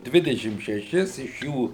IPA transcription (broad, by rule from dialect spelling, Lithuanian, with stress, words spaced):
ˈdʲʋʲɪdʲɛʃʲɪm ʃʲɛˈʃʲɪs ɪʃ ˈjuː